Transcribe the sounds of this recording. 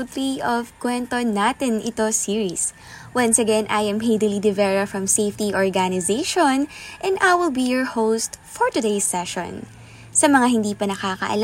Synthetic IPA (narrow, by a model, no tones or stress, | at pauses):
t̪ɾiʔɔv̥kwɛnt̪onaːt̪ɛnʔɪt̪o̞siɹis | wɐ̃nsɐɡɛnʔajɐmɦejd̪ɪlid̪ɪvɛɹɐfɹɐ̃msejft̪iʔɔɹɡanɪzeʃonʔɛ̃nd̪ʔajwɪlbijɔɹhowst̪fɔɹt̪ʊd̪ejsɛʃõ̰n | sɐmɐŋaɦɪnd̪iːpɐnɐkaːkɐ̰ʔɐ̰l